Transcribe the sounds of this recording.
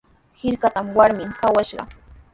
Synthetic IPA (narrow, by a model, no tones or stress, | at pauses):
hɪɾkat̪amwaɾmɪŋkawaʃɢɑ̰